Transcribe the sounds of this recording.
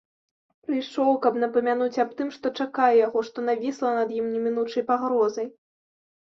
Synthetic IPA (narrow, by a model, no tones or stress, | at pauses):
pɾɨjʂɔwkɐbn̪ɐpɐmʲan̪ut͡sʲɐp̚t̪ɨmʂt̪ɔt͡ʂakajɛjaɣɔʂt̪ɔnavʲislˠɐnɐd̪jimnʲɛmʲin̪ut͡ʂɐjpaɣɾɔzɐj